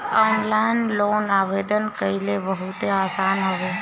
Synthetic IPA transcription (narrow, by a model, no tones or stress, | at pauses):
ɔːnlanloːnaʋed̪ənkəileʋəɦut̪eaːsaːnɦəʋo